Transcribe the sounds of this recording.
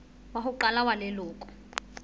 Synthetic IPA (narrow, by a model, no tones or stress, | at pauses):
wahuǃalawanɛloːkʼɔ̥